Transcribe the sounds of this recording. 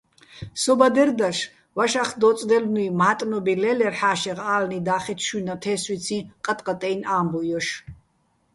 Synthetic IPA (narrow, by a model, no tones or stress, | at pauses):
sɔbad̪ɛɾd̪aʃ | vaʃaχd̪ɔt͡s̪ʼd̪ɛlnuimaːt̪ʼnɔbilɛlɛrħaːʃɛʁaːlnid̪aːχɛt̪ʰʃunat̪ʰɛːswit͡sʰĩqʼat̪ʼqʼat̪ʼɛjnaːmbɔjɔʃ